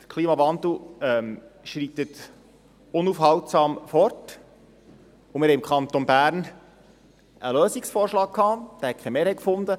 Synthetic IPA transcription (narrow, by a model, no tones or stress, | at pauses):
təkʰliːmɑvɑnd̪l̩ɛmʃɾiːt̪ət̪ | ʊnufhɑwtsɑːmfɔrt | ʊmɪɾhɛmkʰɑnt̪onbæːɾn | ʔəløːsiksfoːɾʃlɑːk̚kʰːɑːd̥̪æːɾhɛkʰɛmeːɾhɛkfʊnd̪ə